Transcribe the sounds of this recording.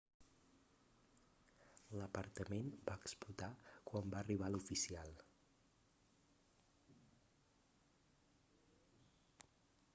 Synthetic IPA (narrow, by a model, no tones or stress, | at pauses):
ləpəɾt̪əmenbaəksput̪akwambaəriβ̞alufisialˠ